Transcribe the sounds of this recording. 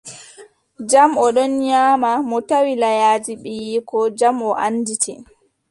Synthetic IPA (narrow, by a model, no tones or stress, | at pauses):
d͡ʒamɔɗɔnɲaːmamɔtawilajaːd͡ʒiɓɛjikɔd͡ʒamɔʔanːditʰɛ